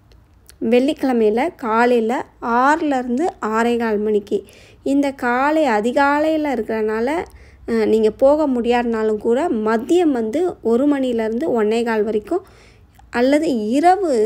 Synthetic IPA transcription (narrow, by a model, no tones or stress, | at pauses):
ʋɛɭːɪkːɐɭɐmɐjɪlɐkaːlɐjɪlɐaːɾɪlɐɪɾɯnd̪ɯaːɾɐɪɣaːɭmɐɳɪkːi | ɪnd̪ɐkaːlɐɪɐðɪɣaːɭɐjɪlɐɪɾɯkːɪɾɐnaːlɐ | niːŋɡɐpoːɣɐmʊɽɪjaːðɐnaːlɯmkuːɽɐmɐd̪ːɪjɐmʋɐnd̪ɯɔɾɯmɐɳɪjɪlɐɪɾɯnd̪ɯɔɳːɐɪɣaːɭʋɐɾɪkːʊ̃ | ʔɐlːɐðɯɪɾɐʋɯ